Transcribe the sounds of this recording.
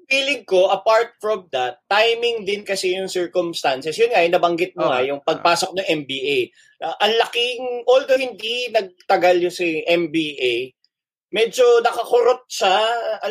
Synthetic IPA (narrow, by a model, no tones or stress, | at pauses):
fiːlɪŋko̞ʔɐpaɹt̪̚fɹɔmd̪ɐt̪ːajmɪŋd̪ɪnkɐsɛjʊŋsɛɹkʊmst̪ansɛsjʊnŋajʊnɐbɐŋɡɪt̪̚moŋɐjʊŋpɐɡ̚paːsok̚nɐŋʔɛmbiːʔej | ʔɐŋlɐkɪŋʔold̪ohɪnd̪inɐɡ̚t̪ɐɡaljʊsɪʔɛmbiʔej | mɛd͡ʒo̞nɐkɐkʊɾot̪̚ʃaɐ